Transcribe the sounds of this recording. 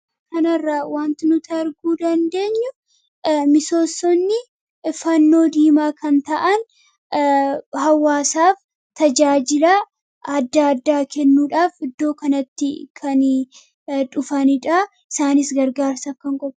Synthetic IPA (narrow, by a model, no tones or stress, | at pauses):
kɐnɐrːawaːnt̪ɪnʊt̪ʰɐɾɡuːd̪ɐnd̪e̞ːɲːʊ | mɪso̞ːsːɔnːɪ | fɐnːo̞ːd̪iːmaːkɐnt̪ɐʔɐn | hɐwːaːsaːf | t̪ɐd͡ʒaːd͡ʒɪlɐ | ɐd̪ːaɐd̪ːaːkʰɛnːuːᶑaːfɪd̪ːo̞ːkɐnɐt̪ːɪkʰɐn | ᶑʊfɐnɪᶑɐ | ɪsaːnɪsɡɐɾɡaːɾsɐfkɐŋkʼɔb